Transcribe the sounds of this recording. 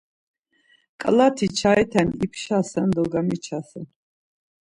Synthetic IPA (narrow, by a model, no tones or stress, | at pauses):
kʼlat̪ʰit͡ʃʰait̪ʰɛnipʰʃasand̪ɔɡamit͡ʃʰasa